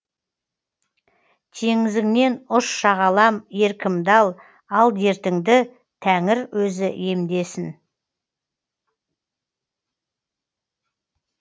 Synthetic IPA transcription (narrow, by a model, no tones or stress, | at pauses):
t̪ʰe̞ŋɪzɪŋne̞nʊʃʃɑʁɑlˠɑmje̞ɾkʲʰɪmd̪ɑlˠ | ɑlˠe̞ɾt̪ɪŋd̪ɪ | t̪ʰæŋɪɾwɵzɪje̞md̪e̞sɪn